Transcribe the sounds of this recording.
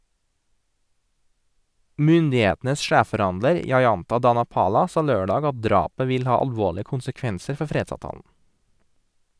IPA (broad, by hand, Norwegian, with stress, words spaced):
ˈmʏndɪˌeːtn̩əs ˈʃæːffɔˌɾɑndləɾ jɑɪˈɑntɑ dɑnɑˈpɑːlɑ ˈsɑː ˈløːɖɑːɡ ˈɑt ˈdɾɑːpə ˈʋɪl ˈhɑː ɑlˈʋoːɭɪə kʊnsəˈkʋɛnsəɾ ˈfɔɾ ˈfɾeːdsɑːʋˌtɑːln̩